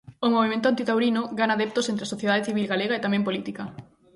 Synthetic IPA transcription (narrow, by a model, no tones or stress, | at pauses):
omoβ̞imẽnt̪ʊant̪it̪awɾinoɡanaðep̚t̪osent̪ɾeasoθjeð̞aðeθiβilɣaleɣaet̪amɛ̃mpolit̪ikɐ